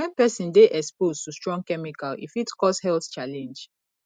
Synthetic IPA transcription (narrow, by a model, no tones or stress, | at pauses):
wɛ̃npɛsĩndeʔɛkspoztustɹɔ̃ŋɡ̚kɛmikalḭfitkɔshɛlθt͡ʃalɛ̃nd͡ʒ